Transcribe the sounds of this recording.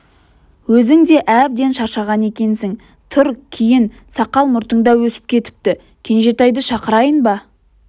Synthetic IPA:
wɵzɪŋd̪e̞ʔæb̚d̪e̞nʃɑɾʃɑʁɑne̞kʲe̞nsɪŋ | t̪ʰʊɾkʲʰijɪn | sɑqɑlˠmʊɾt̪əɴd̪ɑwɵsɪ̥p̚kʲʰe̞t̪ɪ̥p̚t̪ɪ | kʲʰe̞nʒe̞t̪ɑjd̪əʃɑqəɾɑjənbɑ

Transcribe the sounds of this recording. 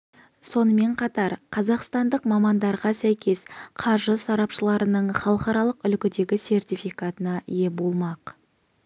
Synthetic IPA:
so̞nəme̞ɴqʰɑt̪ɑɾqʰɑzɑqst̪ɑnd̪əqmɑmɑnd̪ɑɾʁɑsæjkʲe̞sqʰɑɾʒəsɑɾɑpʃəlˠɑɾənəɴχɑlˠəqɑɾɑlˠəqʏlkʲɪd̪e̞ɡʲɪse̞rt̪ijfijkat̪ənɑje̞bolˠmɑq

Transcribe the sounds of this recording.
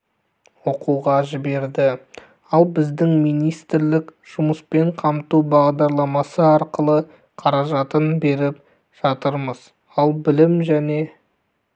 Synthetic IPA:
wo̞quʁɑʒɪbe̞ɾd̪ɪ | ɑlˠbɪzd̪ɪŋmijnijst̪ɪɾlɪkʒ̥ʊməspe̞ɴqʰɑmt̪ubɑʁd̪ɑɾlˠɑmɑsəɑɾqəlˠə | qʰɑɾɑʒɑt̪ənbe̞ɾɪp̚ | ʒ̥ɑt̪əɾməz̥ | ɑlˠbɪlɪmʒæne̞

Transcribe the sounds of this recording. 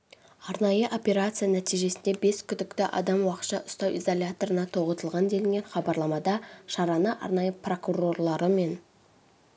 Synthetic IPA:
ɑɾnɑjəʔo̞pʲe̞ɾat̪sɨjanæt̪ijʒe̞sɪnd̪e̞be̞skʲʰʏd̪ɪkt̪ɪʔɑ̰d̪ɑmwɑqət̪ʃɑʔʊst̪ɑwʔizolʲat̪o̞ɾənɑt̪ʰo̞ʁət̪əlˠʁɑnd̪e̞lɪŋɡʲe̞nχɑbɑɾlˠɑmɑd̪ɑʃɑɾɑnəʔɑ̰ɾnɑjəpro̞kuro̞rlˠɑɾəme̞n

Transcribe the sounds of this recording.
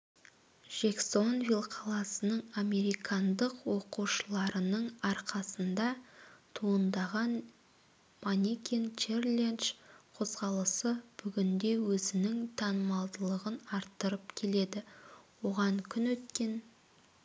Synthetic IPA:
ʒ̥ekso̞nvʲilˠqʰɑlˠɑsənəɴame̞ɾijkʰɑnd̪əqwo̞quʃəlˠɑɾənəɴɑɾqɑsənd̪ɑt̪ʰuənd̪ɑʁɑn | manʲikʲent͡ʃerlʲenʃqʰo̞zʁɑlˠəsəb̥ʏɡʲɪnd̪e̞wɵzɪnɪŋt̪ʰɑnəmɑlˠd̪əlˠəʁənɑɾt̪ːəɾəpkʲʰe̞le̞d̪ɪwo̞ʁɑɴkʲʰʏnwɵt̪kʲe̞n

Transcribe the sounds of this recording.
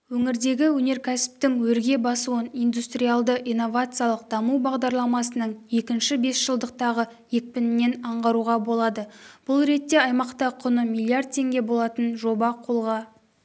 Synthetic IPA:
wɵŋɪɾd̪e̞ɡʲɪwɵne̞ɾkʲʰæsɪ̥p̚t̪ɪŋwɵɾɡʲe̞bɑsuwənijnd̪ust̪rʲijalˠd̪əʔijnːo̞vat̪sɨjalˠəq̚d̪ɑmubɑʁd̪ɑɾlˠɑmɑsənəɴje̞kʲɪnʃɪbe̞sʒ̥əlˠd̪əq̚t̪ɑʁə | je̞k̚pɪnɪnːe̞nɑɴʁɑɾuʁɑbo̞lˠɑd̪əb̥ʊlˠɾe̞t̪ːe̞ɑjmɑqt̪ɑqʰʊnəmʲilˠːiard̪̚t̪ʰːe̞ŋɡʲe̞bo̞lˠɑt̪ənʒo̞bɑqʰo̞lˠʁɑ

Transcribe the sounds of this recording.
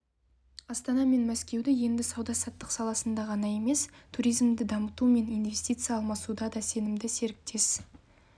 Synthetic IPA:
ɑst̪ɑnɑme̞nmæskʲe̞wd̪ɪje̞nd̪ɪsɑwd̪ɑsɑt̪ːəqsɑlˠɑsənd̪ɑʁɑnɑje̞me̞st̪ʰuɾijzmd̪ɪd̪ɑmət̪ume̞nijnve̞st̪ijt̪sɨjɑːlˠmɑsud̪ɑd̪ɑse̞nɪmd̪ɪse̞ɾɪk̚t̪ʰe̞s

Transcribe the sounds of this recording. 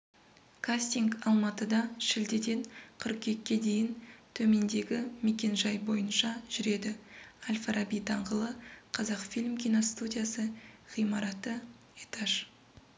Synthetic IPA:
kʰasʲt̪iŋɡɑlˠmɑt̪əd̪ɑʃɪld̪ed̪e̞ɴqʰʏɾqkʲʰe̞kʲːe̞d̪e̞jɪnt̪ʰɵme̞nd̪e̞ɡʲɪme̞kʲe̞nʒɑjbo̞jənʃɑʒ̥ʏɾe̞d̪ɪalʲfaɾabijt̪ʰɑɴʁəlˠəqʰɑzɑqfilʲmkʲʰinost̪ud̪ʲijasəʁ̥ijmɑɾɑt̪ə | et̪aʃ

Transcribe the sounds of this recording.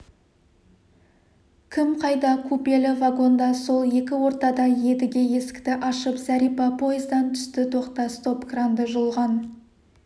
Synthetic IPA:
kʲʰɪmqʰɑjd̪ɑkʰupe̞lɪvaɡo̞nd̪ɑso̞lˠje̞kʲɪwo̞ɾt̪ɑd̪ɑje̞d̪ɪɡʲe̞je̞sɪ̥kʲt̪ɪʔɑʃəpsæɾipɑpʰo̞jɪzd̪ɑnt̪ʰʏ̥st̪ɪt̪ʰo̞qt̪ɑst̪o̞pkrand̪əʒolˠʁɑn

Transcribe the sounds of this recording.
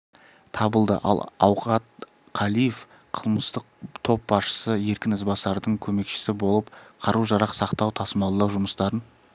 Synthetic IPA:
t̪ʰɑbəlˠd̪ə̰ʔɑ̰lˠɑwqɑt̪ | qʰɑlˠijef | qʰəlˠməst̪əq̚t̪ʰo̞p̚bɑsʃə̥səje̞ɾkʲɪnəzbɑsɑɾd̪əɴkʲʰɵme̞kʃɪ̥sɪbo̞lˠəpqʰɑɾuʒɑɾɑqsɑqt̪ɑwt̪ʰɑsəmɑlˠəd̪ɑwʒʊməst̪ɑɾən

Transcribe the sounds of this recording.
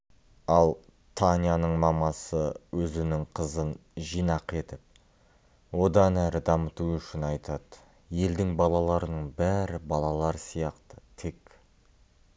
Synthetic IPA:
ɑlˠ | t̪ʰanʲjanəɴmɑmɑsəwʔɵzɪnɪŋqʰəzənʒijnɑqe̞t̪ɪp̚ | wo̞d̪ɑnæɾɪd̪ɑmət̪uʏʃɪnɑjt̪ɑd̪ə | je̞ld̪ɪŋbɑlˠɑlˠɑɾənəɴbæɾɪbɑlˠɑlˠɑɾsijɑqt̪ə̥t̪ʰe̞k

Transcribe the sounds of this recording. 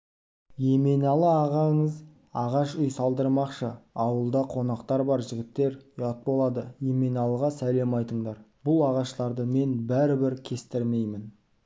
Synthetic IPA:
je̞me̞nɑlˠəɑʁɑɴəz | ɑʁɑʃʊjsɑlˠd̪əɾmɑqʃəɑwəlˠd̪ɑqʰo̞nɑqt̪ɑɾbɑɾʒɪɡʲɪt̪ːe̞ɾjɑt̪̚bo̞lˠɑd̪əjemenɑlˠəʁɑsæle̞mɑjt̪əɴd̪ɑɾb̥ʊlˠɑʁɑʃlˠɑɾd̪əme̞nbæɾɪbɪɾkʲʰe̞st̪ɪɾme̞jmɪn

